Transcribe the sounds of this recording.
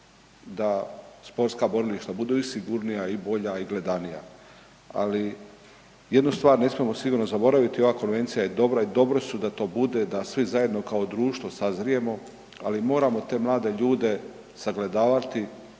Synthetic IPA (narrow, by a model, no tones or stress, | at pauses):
d̪aspo̞ɾt̪skabo̞ɾiliʃt̪abud̪uisiɡuɾnijaibo̞ʎaiɡle̞d̪anija̰ | a̰li | je̞d̪nust̪ʋaːɾne̞smijemo̞siɡuːɾnozabo̞ɾaʋit̪io̞ʋaːko̞nʋe̞nt̪sijajed̪o̞bɾaid̪o̞bɾo̞sud̪at̪o̞ːbud̪e̞d̪asʋizaje̞d̪no̞kao̞d̪ɾuːʃt̪ʋo̞sazɾije̞mo̞ | alimo̞ːɾamo̞t̪e̞ːmlˠaːd̪e̞ʎuːd̪e̞ | saɡle̞d̪aːʋat̪i